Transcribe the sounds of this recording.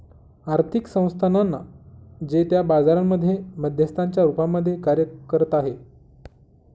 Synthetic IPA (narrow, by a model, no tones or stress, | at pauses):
aɾt̪ʰiksə̃w̃st̪ʰananːa̰d͡ʑet̪jabad͡zaɾamːəd̪ʱːjeməd̪ʱjəst̪ʰaɲt͡ɕjaɾupamːəd̪ʱːjekaɾjəkəɾət̪aɦe